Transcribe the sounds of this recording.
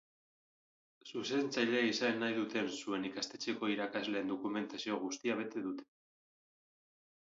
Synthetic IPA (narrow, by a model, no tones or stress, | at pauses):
suse̞nt͡sajʎeaisanːajðut̪e̞nsue̞nikast̪e̞t͡se̞ko̞iɾakazle̞ːnd̪o̞kume̞nt̪asio̞ɣ̞ust̪iaβ̞e̞t̪e̞ðut̪e̞̥